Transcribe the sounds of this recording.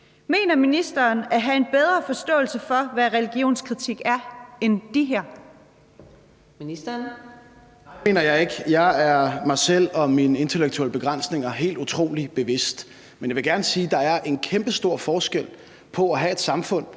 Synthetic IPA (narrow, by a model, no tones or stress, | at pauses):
me̝̰ːnɐminisd̥ɐːnæɦæe̝nb̥eð̞ˠʁɐfɒ̽sd̥ɔ̰̽ːl̩səfɒ̽ʋæʁɛliɡ̥jo̝̰ːnskʰʁit͡sʰiɡ̥æɐend̥iɦæɐ̰ | minisd̥ɐn | e̝̰ːnɐjɑ̈ɪeɡ̥jɑ̈ɪæɐmɑ̈ɪsel̰ɒ̽minəe̝nt͡sʰeleɡ̥̚t͡sʰuel̰əb̥e̝ɡ̥ʁɑn̰sne̝ŋɐɦe̝̰ːld̥ut͡sʰʁo̝̰ːlib̥e̝ʋe̝sd̥ | menjɑʋe̝ɡ̥æɐnəsiːd̥ɑ̈æɐʔe̝nkʰemb̥əsd̥o̝ɐ̰fɒːsɡ̥el̰ | pʰɒ̽æɦæe̝d̥sɑ̈mfɔ̽n̰